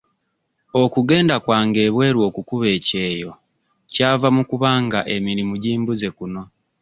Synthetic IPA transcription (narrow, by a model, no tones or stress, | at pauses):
o̞kuɡe̞ːndakwaːŋɡe̞ːβwe̞ːɾwo̞ːkukuβe̞ːce̞ːjo̞ | caːvamukuβaːŋɡaʔe̞miɾimuɟiːmbuze̞kuno̞